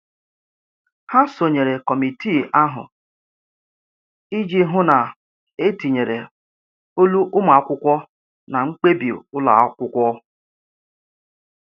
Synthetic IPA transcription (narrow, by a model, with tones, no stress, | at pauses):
ha˦so˨ɲe˨ɾe˨kɔ˨mi˨ti˦˨a˦ɦʊ̰˨ | i˦d͡ʒi˦ɦʊ˦na˨ | e˦ti˨ɲe˨ɾe˨ | o˦lu˦ʔʊ˦m˨a˨a˦kʷʊ˦kʷɔ˦ | na˨ŋ͡m̩˦k͡pe˦bi˨o̰˨ʊ˦la̰˨˦kʷʊ˦kʷɔ˦